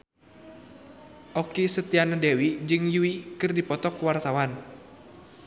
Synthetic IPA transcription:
ʔɔkisət̪ianadɛwid͡ʒɨŋjuwikɨrdipɔt̪ɔkwart̪awan

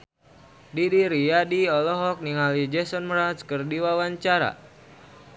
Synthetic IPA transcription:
didiɾijadiɔlɔɦɔk̚niŋalid͡ʒɛsɔnmɾat͡ʃkərdiwawaɲt͡ʃaɾa̰

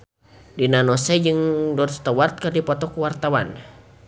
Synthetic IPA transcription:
dinanɔsɛd͡ʒɨŋdɔtst̪awart̪̚kərdipɔt̪ɔkuwart̪awan

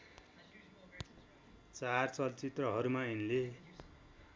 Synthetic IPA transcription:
t͡sart͡sʌlt͡sit̪rʌɦʌɾumainle

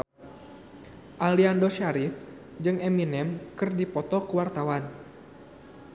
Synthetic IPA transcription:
ʔaliandoʃaɾif | d͡ʒɨŋɛminɛmkɨrdipɔt̪ɔkəwart̪awan

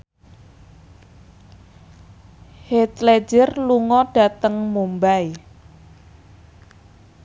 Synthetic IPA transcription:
het̪le̥d͡ʒɪrluŋɔɖ̥a̤t̪əŋmumbaj

